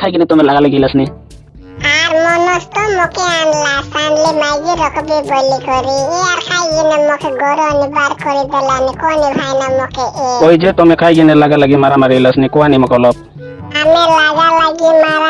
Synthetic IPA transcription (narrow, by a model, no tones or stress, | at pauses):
kʰajɡinet̪ɔmelaɡalaɡiləsni | ɦaɾmɔnost̪omokʰeanlasanlemaɡiɾʌkʰbibɔlikɔɾiaɾkʰajɡinemokʰeɡɔɾɔnibaɾkɔɾid̪elanikonibʱajnamokʰeekoid͡ʒet̪omekʰajɡinelaɡalaɡimaɾamaɾeləsnikɔanimɔkɔlɔb̚ | amelaɡalaɡimaɾa